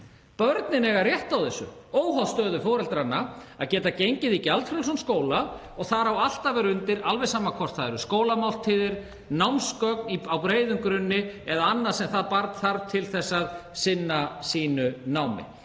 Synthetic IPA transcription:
pœɾt̪nɪnɛɣaɾrjɛht̪awθɛsʏ̰oːwɦawst̪œːðʏfɔːɾɛlt̪ɾanːaa̰ðcɛːt̪acejɲcɪðicalt̪fɾɛlsɔnskoːwla | ɔɣθaɾ̥hawal̥t̪avɛɾʏnt̪ɪɾalvɛsaːmakʰɔr̥t̪θaɛɾʏskoːwlamawl̥t̪ʰiːðɪɾ̥ | nawmskœkniawpɾeːjðʏmkɾʏnːɪɛðaanːḁsɛmθaðpaɾt̪θaɾt̪ʰɪlθɛsːaðsɪnːasiːnʏnaːwmɪ̰

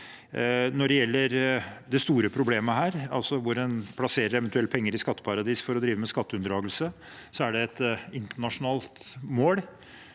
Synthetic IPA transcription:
nɔɖɛjɛlːəɾd̪ɛst̪uːɾəpʰɾʊbleːməhæːɾɑ̰lsɔʋʊɾɛnpʰlɑseːɾəɾɛʋənt̪ʉɛlt̪pʰɛŋːəɾɪskɑt̪ːə̥pʰɑɾɑd̪iːsfɔɾɔd̪ɾiːʋəmɛskɑt̪ːəʉnd̪ɾɑːɡəlsəsɔæɖɛɛt̪ɪnt̪əɳɑʂʊnɑːlt̪moːɽ

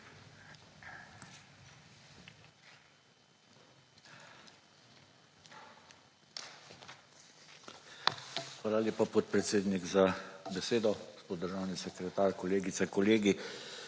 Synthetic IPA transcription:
xʋaːlaljeːpapɔt̪̚pɾɛt̪seːd̪niɡzabɛseːd̪ɔspɔd̪d̪əɾʒaːwnisɛkɾɛt̪aːɾkɔleːɡit̪sɛkɔleːɡi

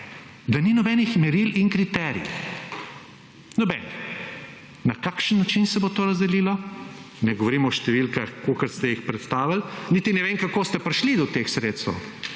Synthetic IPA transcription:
d̪aninɔbɛnixmɛɾiliŋkɾit̪ɛːɾḭ | nɔbɛni | nakaːkʃənːat͡ʃinsɛbot̪oːɾɐzd̪ɛliːlɔ | nɛɡɔʋɔɾiːmɔʃt̪ɛʋilkaxkokɐɾst̪ɛjixpɾɛt̪st̪aːʋalnit̪inɛʋeːŋkakoːst̪ɛpɾiʃlid̪ɔt̪exsɾet̪st̪ɛ̰w

